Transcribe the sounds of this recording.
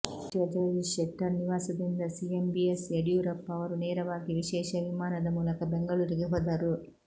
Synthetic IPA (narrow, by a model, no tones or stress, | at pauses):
ɐd͡ʒɐliʃɛʈːɐɾniʋaːsɐd̪ind̪ɐsiembieseɽjuːɾɐpːɐʋɐɾuneːɾɐʋaːɡiʋiʃɛːʃɐʋimaːnɐd̪ɐmuːlɐkɐbeŋɡɐɭuːɾiɡeɦoːd̪aːɾu